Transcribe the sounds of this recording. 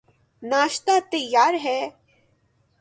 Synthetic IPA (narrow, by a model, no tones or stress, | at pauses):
naːʃt̪at̪əjːaːɾɦɛː